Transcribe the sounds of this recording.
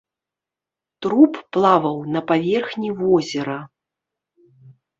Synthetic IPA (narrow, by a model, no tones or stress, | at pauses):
t̪ɾupːlˠavɐwnɐpavʲɛrxnʲivɔzʲɛɾɐ